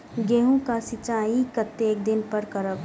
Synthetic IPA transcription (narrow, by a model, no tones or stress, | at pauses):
ɡeːɦõkasɪt͡ʃaːikət̪ːeːk̚d̪ɪnpəɾkəɾəb